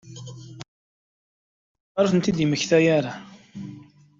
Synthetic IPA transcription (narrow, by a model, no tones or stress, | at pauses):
əɾˤfənt̪id̪iməçθæjaɾa